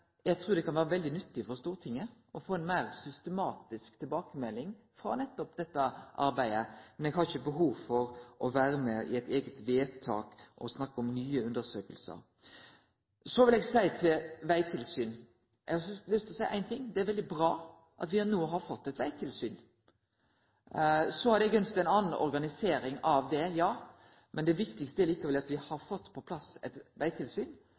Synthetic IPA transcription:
jæɡt̪ʰɾʉːɾd̪ɛkʰɑnʋæːɾəʋɛld̪ɪnʏt̪ːɪfɔɾst̪uːɾət̪ʰɪŋːə | ɔfoːɛnmæɪɾsʏst̪əmɑːt̪ɪskt̪ʰɪlbɑːkəmɛlːɪŋ | fɾɑ̰nɛt̪ːɔp̚d̪ɛt̪ːəʔɑ̰ɾbæɪəmɛnɛɡhɑɾɪçəbəɦuːʋfɔɾʔɔʋæːɾəmɛɪ̰ɛt̪eːɡət̪ʋeːt̪ʰɑ̰ːkʔɔsnɑkːəɔmnyːəʉnd̪əɾsøːkəlsə̰ɾ | sɔʋɪlɛːɡsæɪt̪ʰɪlʋæɪt̪ʰɪlsyːn | ɛ̰ɡhɑslʏst̪ʰɪɔsæɪʔæ̰ɪnt̪ʰɪŋːd̪ɛæɾʋɛld̪ɪbɾɑː | ʔɑ̰t̪ʋɪɑnuːəɦɑɾfɔt̪ːɛt̪ʋæɪt̪ʰɪlsyːn | sɔhɑɾd̪ɛɡœnst̪æɪnɑːnn̩ɔ̰ɾɡɑnɪseːɾɪŋɑʋd̪ɛjɑː | mʔɛnd̪ɛʋɪkt̪ɪkst̪əæɾliːkəɾʋɛlɑt̪ʋɪhɑɾfɔt̪ːpʰɔpʰlɑsɛ̰t̪ʋæɪt̪ʰɪlsyːn

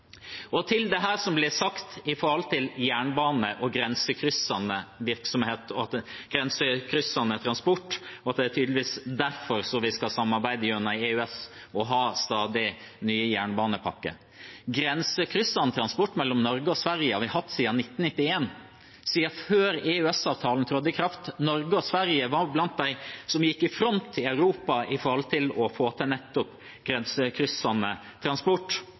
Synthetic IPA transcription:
ɔt̪ʰɪld̪ɛɦæːɾsɔmblɛsɑkt̪ɪfɔɾɑlt̪ʰɪljæːɳbɑːnəʔɔɡɾɛnsəkʰɾʏsɑnəʋɪɾksɔmheːt̪ɔɑt̪ɡ̥ɾɛnsəkʰɾʏsːɑnət̪ʰɾɑnspɔʈːɔɑt̪̚d̪ɛæt̪ʰyːd̪lɪʋiːsd̪æɾfɔɾsɔʋɪskɑsɑmːɑɾbæɪd̪əjœnɑeʉɛs | ɔɦɑːst̪ɑːd̪ɪ | nyːəjæːɳbɑːnəpʰɑkːə̰ | ɡɾɛnsəkʰɾʏsɑnət̪ʰɾɑnspɔʈːmɛlːɔmnɔɾɡəɔsʋæɾjəhɑɾʋɪhɑt̪ːsiːɑnɪt̪ːn̩nɪt̪ːɪeːn | siːɑføːɾɛʉɛsɑːʋt̪ʰɑːlnt̪ʰɾɔːd̪əkʰɾɑft̪nɔɾɡəɔsʋæɾjəʋɑɾblɑnt̪̚d̪æɪsɔmjɪkːɪfɾɔnt̪ʰːɪlɑʉɾuːpɑɪfɔɾɔlt̪ʰɪlɔfoːt̪ʰɛnɛt̪ːɔp | ɡ̥ɾɛnsəkʰɾʏsɑnə | t̪ʰɾɑnspɔʈː

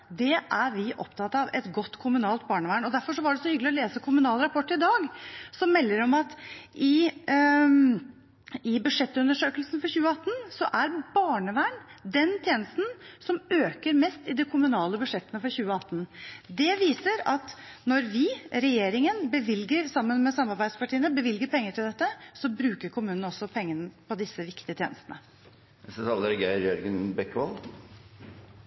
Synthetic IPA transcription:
d̪ɛʔæɾʋɪʔɔ̰pt̪ʰɑt̪ɑʋɛt̪ɡɔt̪ːkʰʊmʉnɑːlt̪̚bɑːɳəʋæɳɔd̪æɾfɔʂ̬ɔʋɑɖɛsɔhʏɡəlɪɔleːsəkʰʊmʉnɑːlɾɑpʰɔʈːɪd̪ɑːɡsɔmmɛlːəɾɔmɑt̪ʔɪ | ɪbʉʂɛt̪ːʉnəʂøːkəlsn̩fɔɾçʉːəɑt̪ːn̩sɔʔæɾbɑːɳəʋæɳd̪ɛnt̪ʰjeːnəst̪n̩sɔmøːkəɾmɛst̪ɪd̪ɛkʰʊmʉnɑːləbʉʂɛt̪ːənəfɔɾçʉːəɑt̪ːnd̪ɛʋiːsəɾɑt̪nɔɾʋɪɾɛjeːɾɪŋənbəʋɪlɡəɾsɑmːənmɛsɑmːɑɾbæɪd̪spɑʈʰiːənəbəʋɪlɡəɾpʰɛŋːəʈʰɪld̪ɛt̪ːəsɔbɾʉːkəɾkʰʊmʉːnən̩ɔsːɔpʰɛŋːənəpʰɔd̪ɪsːəʋɪkt̪ɪət̪ʰḛːnəst̪ənə | ɛsɛsɑld̪əɾɡæɪɾjœɾɡənbɛkːʋɑl

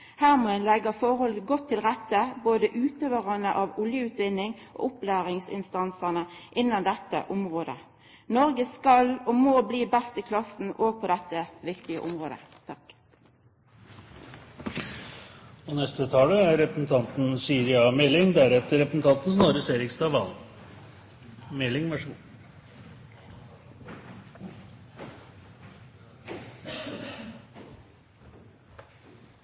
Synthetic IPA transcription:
hæːʁmɔɛnlɛɡɑfɔʁhɔlɡɔt̪ʰːɪlʁɛt̪ːəboːd̪əʔʉːt̪øːʋəʁɑnəʔɑʋʊljəʉːt̪ʋɪnːɪŋʔo̰ːʔʊplæːʁɪŋsɪ̰nst̪ɑnsənəʔɪnːɑnd̪ɛt̪ːə̰ʔʊmʁoːd̪ə̰ | nɔʁɡəskɑlɔmoːbliːbɛst̪ɪkʰlɑsn̩oːɡ̚pʰɔd̪ɛt̪ːəʋɪkt̪ɪə̰ʔʊmʁo̰ːd̪ə̰t̪ʰɑk | ɔnɛst̪ət̪ʰɑːləæɾɾɛpɾəsn̩t̪ʰɑnt̪n̩syːɾɪɑmɛlːɪŋd̪æɾɛt̪əɾɛpɾəsn̩t̪ʰɑnt̪n̩snɑːɾəseːɾɪkst̪ɑːʋɑl | mɛlːɪŋʋæʂu

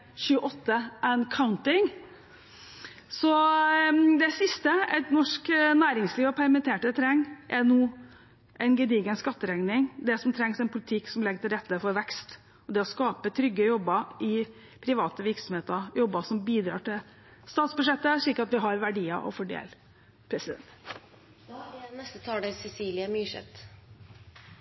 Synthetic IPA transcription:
çʉːəʔɔt̪ːəʔɛnkʰaʊnt̪ɪŋ | sɔ | d̪ɛsɪst̪əɛt̪nɔʂknæːɾɪŋsliːʋɔpʰæɾmɛnt̪ʰeːʈət̪ʰɾɛŋːʔɛnoː | ʔɛɪnɡəd̪iːɡənskɑt̪ːəɾɛŋnɪŋd̪ɛsɔmt̪ʰɾɛŋsɛɪnpʰʊlɪt̪ʰɪkːsɔmlɛɡːət̪ʰɪlɾɛt̪ːəfɔɾʋɛkst̪ | ɔd̪ɛɔskɑːpət̪ʰɾʏɡːəjɔbːəɪ | pʰɾɪʋɑːt̪əʋɪɾksɔm̩heːt̪əjɔbːəʂɔmbiːd̪ɾɑ̰ːʈɪl | st̪ɑːt̪sbʉʂɛt̪ːəʂɭiːkɾɑt̪ʋɪɦɑɾʋæɖiːɑʔɔ̰fɔɖḛːl | pʰɾɛsɪd̪ɛ̰nt̪ | nɛst̪ət̪ʰɑːɖɛsɛsiːlɪəmyːʂɛ̰t̪

